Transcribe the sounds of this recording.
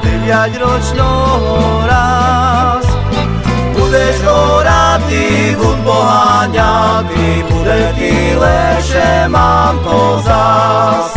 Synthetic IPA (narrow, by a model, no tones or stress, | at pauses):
d̪ɛvjaɟɾɔt͡ʃnɔ | ɦɔ | ɾa | s | bud̪ɛʃɔɾat̪i | ɡud̪bɔɦaɲad̪i | bud̪ɛt̪i | lɛʃɛmampɔzas